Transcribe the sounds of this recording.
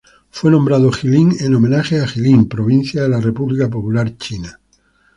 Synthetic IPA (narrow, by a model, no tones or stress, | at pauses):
fwe̞nõmbɾaðoxiliŋenomẽnaxeaxilimpɾoβ̞ĩn̟θjaðe̞larepuβlikap̬opulaɾt͡ʃina